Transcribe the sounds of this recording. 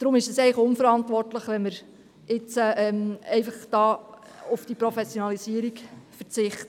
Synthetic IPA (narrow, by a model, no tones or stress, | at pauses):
d̥ɾʊmɪʃəsɛɪləχʊnfəɾɑntʋɔrtləχʋɛnməɾ | ɪt͡səɛmɛɪfəχd̥ɑː | ufd̥ipɾofɛsjonɑlisiəɾikfəɾt͡sɪχtə